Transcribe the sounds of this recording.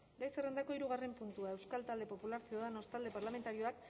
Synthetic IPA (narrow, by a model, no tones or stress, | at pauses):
bajserend̪ako̞iɾuɣ̞are̞mpunt̪uae̞wskalt̪ald̪e̞po̞pulaɾsioðano̞st̪ald̪e̞paɾlame̞nt̪aɾio̞ak